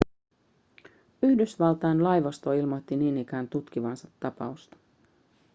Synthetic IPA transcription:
yhdysʋɑlt̪ɑjnlɑjʋɑst̪o̞ilmo̞t̪ːiniːnik̟æːnt̪ut̪k̟iʋɑnsɑt̪ːɑpɑ̰ust̪ɑ̥

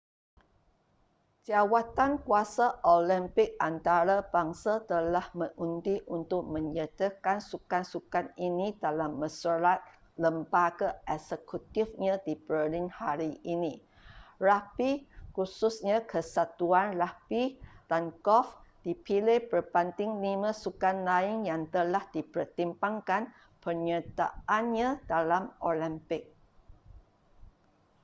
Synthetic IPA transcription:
d͡ʒawat̪ankuasaʔolimpɪk̚ant̪aɾabaŋsat̪əlahmə̃ŋʔundiʔunt̪ʊk̚mə̃ɲət̪əkansukansukaninĩdalamːə̃suɾat̪̚ | ləmbaɡaʔɛksəkut̪ifɲãdibɾəlinhaɾiʔinĩ | rapikususɲãkəsat̪uanrahpid̥ankɔfd̥ipiləhbərbant̪ɪŋlimãsukanlaiŋjaŋt̪əlahdipərt̪impaŋkan | pərɲət̪a̰ʔanɲãdalamoləmpɪk̚

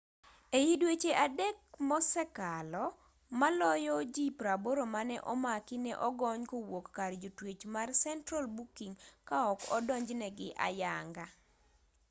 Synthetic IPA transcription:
ejidwet͡ʃeʔadɛk̚mɔsɛkalɔ | malɔjɔd͡ʒipɾaboɾomanɛʔɔmakɪnɛʔɔɡɔɲkowokːard͡ʒotwet͡ʃmarsɛntɾalbukiŋkaɔkɔdɔɲd͡ʒnɛɡɪʔa̰jaŋɡa

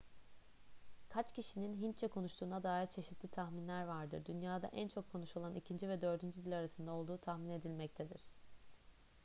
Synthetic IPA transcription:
kʰat͡ʃcʰiʃininɦint͡ʃʰɛkʰo̞nuʃt̪ʰuːnad̪aːit͡ʃʰe̞ʃit̪ʰlʲit̪ʰaxminlʲæɾvaɾd̪ɯɾd̪ynjaːd̪a̰ʔænt͡ʃʰo̞kʰːo̞nuʃo̞lˠanʔicʰind͡ʒivɛd̪ø̞ɾd̪ynd͡ʒyd̪ilʲaɾasɯnd̪ao̞lˠd̪uːt̪ʰahmine̞d̪ilʲmɛc̚t̪ʰed̪iɾ̝̥

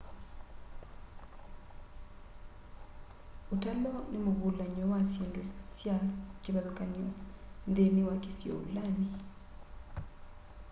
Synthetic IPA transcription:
otalɔnemoβulaɲɔwasjendosjakeɾaðokaniɔndenewakesjɔ̰ṵlani

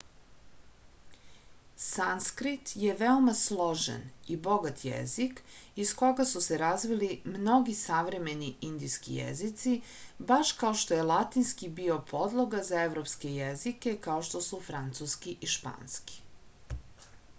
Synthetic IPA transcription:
sanskɾit̪je̞ʋeomaslˠo̞ʒḛnibo̞ɡat̪jḛzikisko̞ɡasuseɾazʋilimno̞ɡisaʋɾe̞me̞niʔind̪ijskḭjḛzit̪si | baʃkaoʃt̪o̞je̞lˠat̪inskibio̞pʰo̞d̪lˠoɡazaevɾopske̞jezike̞kaoʃt̪o̞sufɾant̪suskiʔiʃpa̰ːnski̥

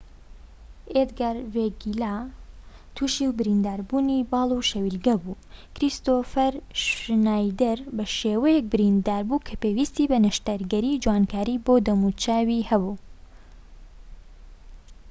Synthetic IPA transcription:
ed̪ɡaːɾveɡila | t̪ʰuʃiwbɨɾind̪aːɾbuːnibɑːlˠuʃɐwilɡɐbuː | kɾist̪ofɐɾʃnaːjd̪ɐɾbɐʃewɐjɛk̚bɨɾind̪aːɾbukʰɐpeːwiːst̪ibɐnɐʃt̪ɐɾɡɐɾiːd͡ʒwankʰaːɾibod̪ɐmut͡ʃaːwihɐbuː

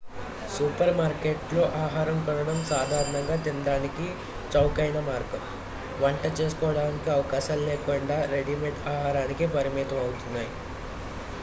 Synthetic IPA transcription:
supɐɾmaːɾkeːʈlo̞ːʔaːɦaːɾɐmkɐnɐɽɐmsaːd̪ʱaːɾɐɳɐŋɡaːt̪ind̪aːniki | t͡ʃɐwkɐjnɐmaːɾkɐm | ʋɐɳʈɐt͡ʃeːsu̥kɔːɐɽaːnikiɐʋɐkaːʃaːllɛːkuɳɖaːɾeɽimeʈaːɦaːɾaːnikipɐɾimiːt̪ɐmɐwut̪unːaːji

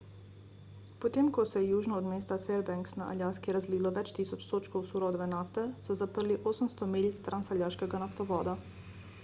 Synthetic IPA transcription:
pot̪eːmkɔsɛjɛjuːʒnɔːd̪meːst̪afɛɾbaŋksna̰ʔa̰lʲjaːskiɾazliːlɔʋɛt͡ʃt̪iːsɔt͡ʃt̪oːt͡ʃkowsuɾɔd̪ʋɛnaːft̪ɛsɔzapəɾliʔoːsəmst̪ɔmiːlʲt̪ɾʔansalʲjaːʃkɛɡanaft̪ɔʋɔːd̪a

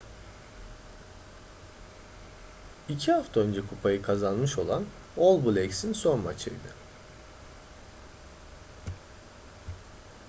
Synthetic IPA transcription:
icʰihaft̪ʰaø̞nd͡ʒɛkʰupʰajɯkʰazanmɯʃo̞lˠan | olˠbulʲɛksinso̞nma̰t͡ʃʰɯ̰jd̪ɯ

